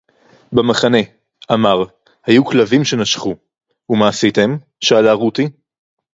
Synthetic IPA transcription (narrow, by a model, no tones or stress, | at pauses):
bemaχane̞ | ʔamaʁ | hajuklavimʃe̞naʃχu | umaːsit̪em | ʃaːlaʁut̪i